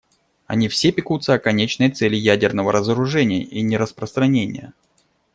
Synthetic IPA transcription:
ɐ̰nʲifsʲepʲɪkut̪səɐkɐnʲet͡ɕnəjt̪sɛlʲɪjædʲɪrnəvəɾəzəɾʊʐɛnʲɪjə̰ʔinʲɪɾəspɾəst̪ɾɐnʲenʲɪ̰jə̰

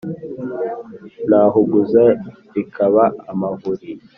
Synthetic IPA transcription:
naːɦuɡuza | ɾikʰaβaːmavuɾi

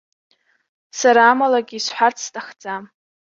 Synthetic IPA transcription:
saɾaːmalaɡʲiːsħʷart͡sʰstʰʼaχd͡za

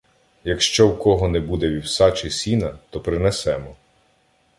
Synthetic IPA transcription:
jɐkʃt͡ʃɔwkɔɦɔnɛbud̪ɛʋʲiwsɑt͡ʃisʲinɐt̪ɔpɾɪnɛsɛmɔ

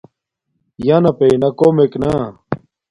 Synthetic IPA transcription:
jaːnɐpenɐkoːmeknaː

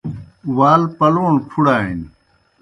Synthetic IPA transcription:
waːlpɐlõːpʰuɽaːɦin

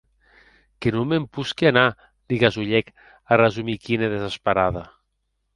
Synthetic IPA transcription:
kenumempuskiana | liɣazuʎɛk | arezumikineðezaspaɾaða

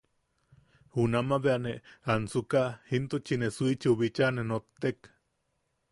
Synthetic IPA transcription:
hunamaβeaneansukahint̪ot͡ʃinesuit͡ʃiuβit͡ʃanenot̪ːek

